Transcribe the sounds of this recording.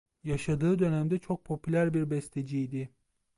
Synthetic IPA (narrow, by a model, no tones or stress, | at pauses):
jaʃad̪ɯːd̪ø̞næmd̪ɛt͡ʃʰo̞k̚pʰo̞pʰylʲæɾbiɾbɛst̪ʰed͡ʒijd̪ɪ